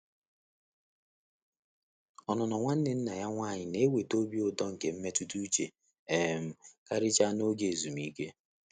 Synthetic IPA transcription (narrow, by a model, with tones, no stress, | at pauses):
ɔ˨nɔ˨nɔ˨ŋʷa˦n̩˦nɪ˨n̩˦na˨ja˦ŋʷa˦˨ɲɪ˨ne˦we˨to˦bi˦o˦˨dɔ˦ŋ̩˨ke˨m̩˦me˦tu˦tu˦t͡ʃe˨ | e˨m̩˨ka˦ɾɪ˦t͡ʃa˦no˦ɡe˨zu˨mi˦ke˦